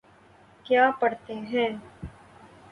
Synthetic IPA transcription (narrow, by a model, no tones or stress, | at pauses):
kjaːpɐɽt̪eɦɛ̃ː